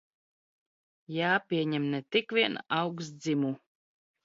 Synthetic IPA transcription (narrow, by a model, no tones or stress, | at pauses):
jaːpʲiɛɲɛmnɛt̪ikvʲiɛnawks̬d̪zimu